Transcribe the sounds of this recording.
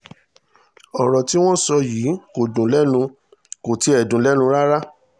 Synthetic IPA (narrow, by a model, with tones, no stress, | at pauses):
ɔ˨ɾɔ˨ti˦w̃ɔ̃˦sɔ˧jiː˨˦ko˨dũ˨lɛ˦nũ˧ | ko˨ti˨˦ɛ˦˨dũ˨˦lɛ˦nũ˧ɾa˦ɾa˦